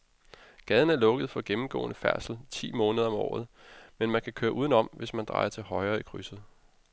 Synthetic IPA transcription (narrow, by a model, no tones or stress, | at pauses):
ɡ̥ɛð̞ˠən̩æɐlɔ̽ɡ̥əð̩ˠfɒ̽ɡ̥emm̩ɡ̥ɔ̰̽ːnəfæɐ̰sl̩t͡sʰḭːmɔːnəð̞ˠɐɒ̽mɒ̰ːð̩ˠmenmænkʰækʰøːɐʔuːðˠən̩ɒ̽m̰ʋe̝smænd̥ʁɑ̈ɪɐt͡sʰe̝lhɒ̽ɪɐːikʰʁysð̩ˠ